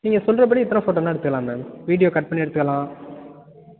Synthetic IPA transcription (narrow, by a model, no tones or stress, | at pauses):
niːŋɡɐsɔlːɾɐp̬ɐɽiɛt̪ːɐnɐ̃foːʈoːnːaːɛɽɯt̪ːɯkɐlaːmemʋiːɽɪjoːkɐʈ̚pɐɳːiɛɽɯt̪ːɯkːɐlãː